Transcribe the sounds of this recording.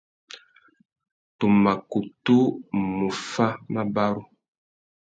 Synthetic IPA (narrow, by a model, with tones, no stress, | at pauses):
tu˨ma˨ku˨tu˦mu˨fa˦ma˦ba˦ɾu˦